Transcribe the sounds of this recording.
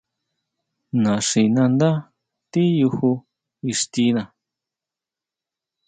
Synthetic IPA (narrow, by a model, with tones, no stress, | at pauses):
nã˨ʂi˨nã˧nd̪a˦ | t̪i˦ju˧hu˧ | i˧ʂt̪i˧nã˨